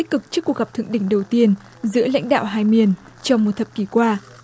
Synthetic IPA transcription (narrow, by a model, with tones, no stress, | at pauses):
k̚kɨ˨˩k̚t͡ɕɨ˦˥kːu˨˩ək̚ɣa˨˩p̚t̪ʰɨ̰˧˨əŋɗḭ̈˧˨ŋ̟ɗə˨˩wt̪i˧ən | zɨ̰˧˥əla̰˧˥jŋ̟ɗa̰ː˧˨wɦaː˧jmi˧˩ən | t͡ɕɔ˧wŋ͡mmo˨˩t̚t̪ʰə˨˩p̚ki˧˩kwaː˧